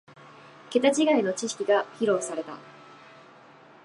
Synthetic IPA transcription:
ke̞t̪at͡ɕiɡaino̞t͡ɕiɕi̥kʲiɡaçiɾo̞ːsaɾe̞t̪a̰

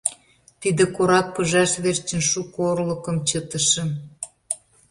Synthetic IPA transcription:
t̪id̪ĕkoɾɑk̚pəʒɑʃβert͡ɕənʃukorlə̆kəmt͡ɕət̪əʃə̆

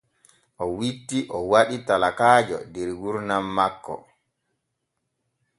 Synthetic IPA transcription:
ʔɔwitːiʔɔwaɗitalakaːd͡ʒɔ̰dɛɾɡuɾnamːakːɔ̰

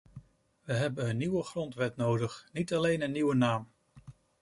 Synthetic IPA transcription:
ʋəɦɛbənənːiwəχrɔntʋɛtnowdəχnitɑlejnənːiwənaːm

